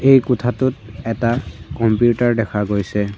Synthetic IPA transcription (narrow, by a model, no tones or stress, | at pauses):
ejkɔtʰatʊt̚ɛtakɔmpjutaɹdɛkʰaɡojsɛ